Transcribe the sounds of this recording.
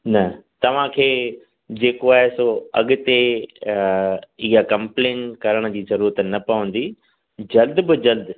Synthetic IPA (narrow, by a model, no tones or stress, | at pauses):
nɐt̪ɐʋ̤ãkʰeː | d͡ʑeːkoaːɦesoːɐ̰ɠʊ̆t̪e | iɦakɐ̃mpleːnkɐɾəɽ̃ə̆d͡ʑiːzɐɾuːɾət̪nɐpɐʋə̃nd̪i | d͡ʑɐld̪bɪd͡ʑɐld̪